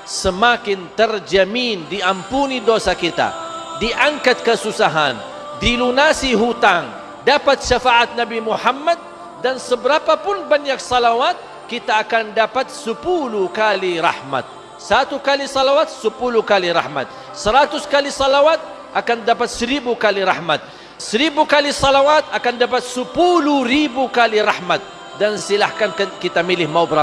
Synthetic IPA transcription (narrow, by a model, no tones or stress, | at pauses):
səmakɪnt̪ərd͡ʒamindiampunidosakit̪a̰diʔaŋkat̪̚kəsusaɦa̰n | dilunasiɦut̪aŋ | dapat̪̚ʃafaʔat̪̚nabimuħamːat̪̚ | dansəbəɾapapʊnbaɲak̚sɑlawat̪̚ | kit̪aːkandapat̪̚səpulukaliɾɑ̰hma̰t̪̚ | sat̪ukalisɑlawat̪̚səpulʊhkaliɾɑ̰hma̰t̪̚ | səɾat̪ʊskalisɑlawat̪̚ʔakandapat̪̚səɾibukaliɾahmat̪̚ | səɾibukalisɑlawat̪̚akandapat̪̚səpuluɾibukaliɾahmat̪̚ | dansilahkankakit̪amilɪhmawbɾa